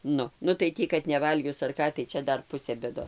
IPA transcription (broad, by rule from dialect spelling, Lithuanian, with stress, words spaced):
ˈnʊ nʊ tɐɪ ˈtʲiː kɐt nʲɛˈʋɐlʲɡʲʊs ɐr ˈkɑː tɐɪ ˈt͡ʃʲɛ ˈdɐr ˈpʊsʲeː bʲeːˈdoː